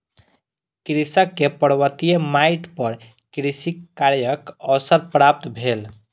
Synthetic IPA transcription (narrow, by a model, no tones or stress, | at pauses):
kɾisəkːepəɾwət̪ijemaiʈpəɾ | kɾisikːaɾjəkɔsəɾpɾap̚t̪bʱel